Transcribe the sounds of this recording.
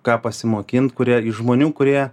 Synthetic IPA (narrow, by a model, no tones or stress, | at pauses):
kɑːpɐsʲɪmoːkʲɪnt̪kʊɾʲiɛɪʒmoːnʲuːkʊɾʲiɛ